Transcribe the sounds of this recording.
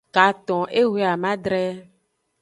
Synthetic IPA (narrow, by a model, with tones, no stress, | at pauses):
ka˨t̪ɔ̃˨ʔe˦we˦a˨mã˦dɾɛ˦